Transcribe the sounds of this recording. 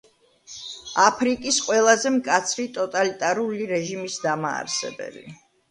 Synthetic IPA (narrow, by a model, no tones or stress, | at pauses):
apʰɾikʼisqʼwɛlˠazɛmkʼat̪sʰɾit̪ʼɔt̪ʼalit̪ʼaɾuliɾɛʒimisd̪ama̰ːɾsɛ̰bɛ̰bḭ